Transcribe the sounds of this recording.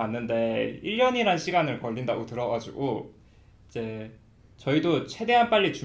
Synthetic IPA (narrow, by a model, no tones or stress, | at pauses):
anːɯnde̞iɭːʌɲiɾanɕʰiɡanɯɭkʌʎːinda̰ɡotɯɾʌɡad͡ʑuɡo | id͡ʑe̞ | t͡ɕʌidot͡ɕʰwe̞de̞ɦanp͈aʎːit͡ɕu